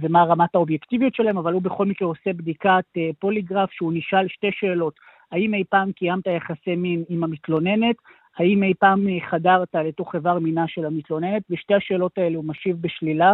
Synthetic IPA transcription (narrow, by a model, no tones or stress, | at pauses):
vemaʁamathaobjektivijotʃelahemavalubeχo̞lmikʁeose̞bd̪ikat̪epoliɡʁafʃeuniʃalʃte̞ʃeːlo̞t | haime̞jpaːmkijamt̪ajaχaseminimamitlo̞ne̞ne̞t | haimejpaːmχadaʁtaleto̞χevaʁminaʃe̞lamitlo̞ne̞ne̞tveʃte̞haʃe̞ːlo̞tae̞leumaʃivbeʃlila